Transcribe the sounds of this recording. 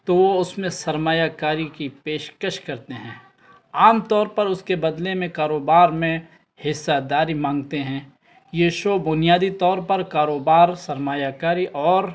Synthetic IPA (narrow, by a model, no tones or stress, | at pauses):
t̪oːʋoʊsmẽsɐɾmaːjakaːɾikipeːʃkəʃkɐɾt̪eɦɛ̃ː | aːmt̪ɔːɾpɐɾʊskebɐd̪lemẽkaːɾoːbaːɾmẽ | hɪsːad̪aːɾimãːŋɡt̪eɦɛ̃ː | jeʃobʊnijaːd̪it̪ɔːɾpɐɾkaːɾoːbaːɾsɐɾmaːjakaːɾiʔɔːɾ